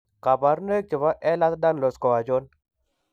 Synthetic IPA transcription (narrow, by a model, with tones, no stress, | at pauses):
ka˨ba˨ɾne˦k̚t͡ʃə˨va˦ʔɛ˦la˦t̪da˦n˨lo˨skɔ˨wa˨d͡ʒo˦n